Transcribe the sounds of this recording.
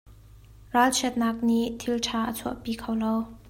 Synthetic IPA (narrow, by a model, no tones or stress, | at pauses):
ɹaːlt͡ʃʰɛt̪̚nak̚niʔt̪ʰiltʰaːʔət͡sʰuəʔpiːkʰawlow